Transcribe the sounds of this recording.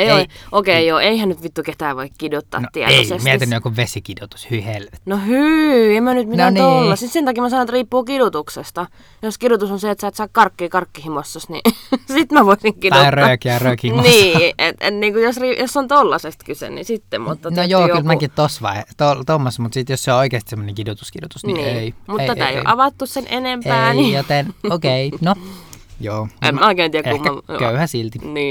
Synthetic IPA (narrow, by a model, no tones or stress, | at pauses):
eeokeːjoːeihænnyt̪ʋit̪ːuket̪æːʋoikkidut̪ːɑ̰ːnt̪iɛ̰teoisekmieinːyokuʋʋesikidot̪u̥shyʋihelʋett̪nohyemːænyt̪mint̪ænt̪olːɑsit̪sent̪ɑkiːmæsɑnoet̪riːpːuːkidut̪uksest̪ɑ | joskidut̪usonseet̪sæːt̪sɑːkkɑrkːiːkɑrkːihimosːɑsnḭsit̪mæʋoisiŋkid̪uɑrøɑːˑkiærøːkimniːʔet̪ḛt̪niːŋkujosrijosːont̪olːɑsest̪kysḛnḭsit̪ːemṵt̪ːɑnojoːylmæit̪t̪osʋɑ̰ˑit̪olt̪omːosmut̪sit̪josseooˑikeːst̪i̥semːoneŋkidut̪u̥skirut̪usnineˑimuteæt̪æˑḛjo̰ʔɑʋɑt̪ːussenʔenempæːnjot̪enokeinojoːḛmoˑikeːˑnt̪iːækeumːkæɑkøyhæsilt̪iniː